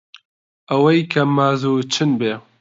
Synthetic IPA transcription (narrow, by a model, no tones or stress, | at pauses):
ɐwɐjkʰɐmaːzuːt͡ʃʰɨnbeː